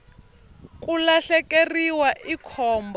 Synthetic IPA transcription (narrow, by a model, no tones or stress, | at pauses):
kʼulaɬɛkeriwaʔikʰɔːmb